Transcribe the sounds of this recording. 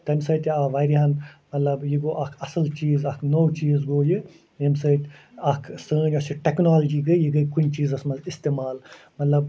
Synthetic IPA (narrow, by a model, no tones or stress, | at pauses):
t̪ɐmsɐːt̪ʲaʋaːjɾiɦɐnmɐt̪lɐbjiɡoːʔɐkʰɐsɐlt͡ʃiːzɐkʰnowt͡ʃiːzɡoːjɨ | emsɐjt̪ʲ | ɐkʰsəːnʲɔsiʈeknaːld͡ʒiːɡəjiɡɨkunʲt͡ʃiːzɐsmɐzist̪eːmaːl | mɐt̪lɐb̚